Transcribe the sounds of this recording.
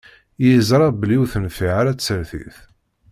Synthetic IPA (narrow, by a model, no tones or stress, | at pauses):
jizɾˤɑbliwθənfiʕaɾæt͡sːəɾθḭθ